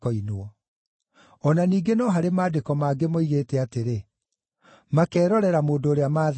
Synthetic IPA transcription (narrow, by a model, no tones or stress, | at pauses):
ɔinwɔ | ɔnaniːɡenɔɦaɾemaːdekɔmaːɡemoiɣeːtɛateɾe | makɛːɾɔɾɛɾamoːndooɾeamaː